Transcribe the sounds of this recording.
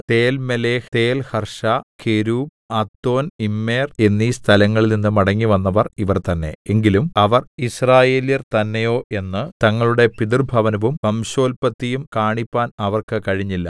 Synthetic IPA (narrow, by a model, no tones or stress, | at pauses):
t̪e̞ːlmeleːht̪e̞ːlhɐrʂakʰeɾuːm | at̪ːo̞ːnimːe̞ːre̞nːiːst̪ʰɐlɐŋːɐɭilninːɨmɐɽɐŋːiʋɐnːɐʋɐriʋɐrt̪ɐnːe̞̰eŋɡilumɐʋɐrisraːje̞ːljɐrt̪ɐnːejo̞ːʔe̞nːɨt̪ɐŋːɐɭuɽe̞pid̪irbʱɐʋɐnɐʋumpɐmɕo̞ːlpɐt̪ːijumkaːɳipːaːnɐʋɐrkɨkɐɻiɲːilːɐ